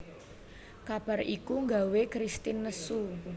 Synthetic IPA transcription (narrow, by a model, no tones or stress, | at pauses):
kab̥a̤rʔikuŋɡawekɾist̪inːəsu